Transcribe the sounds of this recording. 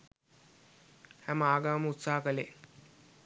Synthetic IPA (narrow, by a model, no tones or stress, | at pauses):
hæməaːɡaːməut̪saːɦəkəle